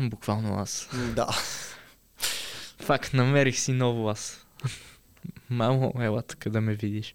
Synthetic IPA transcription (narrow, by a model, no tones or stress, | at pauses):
bukvalˠno̰a̰sd̪a̰ | fakt̪nɐmɛɾixsinɔvʊas | mamoɛlat̪ə̥kəd̪ɐmɛvid̪iʃ